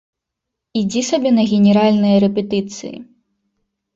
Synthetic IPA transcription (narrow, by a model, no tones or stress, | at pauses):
id͡zʲisɐbʲɛnɐɣʲɛnʲɛɾalʲnɨjɐɾɛpʲɛt̪ɨt̪sɨ̰jḭ